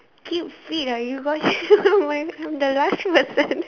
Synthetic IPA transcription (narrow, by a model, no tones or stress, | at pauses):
kʰipfidajuɡɔtmaɪãjmd̪əlastpəsə̃n